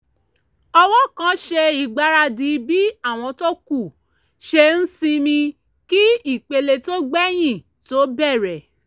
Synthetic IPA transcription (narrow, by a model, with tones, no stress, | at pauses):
ɔ˧wɔ˦kã˦ʃe˧i˨ɡ͡ba˧ɾa˧di˨˦bi˦a˦˨w̃ɔ̃˧to˦ku˦˨ | ʃe˧n̩˦sĩ˦˧mĩ˧ | ki˦i˦˨k͡pe˧le˧to˦ɡ͡bɛ˦j̃ĩ˦˨ | to˦bɛ˦˨ɾɛ˨